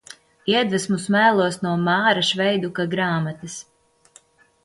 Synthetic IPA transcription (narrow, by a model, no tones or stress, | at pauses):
iɛd̪vɛsmusmæːlˠuɔsnuɔmaːɾaʃvɛjd̪ukaɡɾaːmat̪ɐs